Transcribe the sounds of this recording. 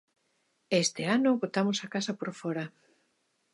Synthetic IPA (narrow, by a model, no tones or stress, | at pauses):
est̪ɪanʊβot̪amosakasɐpoɾfɔɾɐ